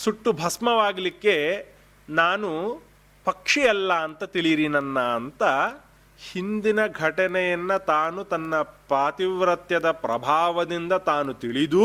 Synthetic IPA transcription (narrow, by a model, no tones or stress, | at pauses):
suʈːubʱɐsmɐʋaːɡlikːe | naːnu | pɐkʂijɐlːɐːnt̪ɐt̪iɭiɾinɐnːɐːnt̪ɐ | hind̪inɐɡʱɐʈɐnɛjɐnːɐt̪aːnut̪ɐnːɐpɾaːt̪iʋɾɐt̪jɐd̪ɐpɾɐ̰bʱaːʋɐd̪ind̪ɐt̪aːnut̪iɭid̪u